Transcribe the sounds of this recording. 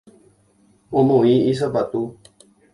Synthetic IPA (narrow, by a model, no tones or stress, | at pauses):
õmõĩis̬apat̪u